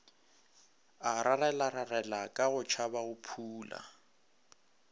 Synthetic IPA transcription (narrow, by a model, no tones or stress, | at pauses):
aɾʔarɛlaɾarɛlakʼaɣʊt͡ʃʰabaʊpʰuːla̰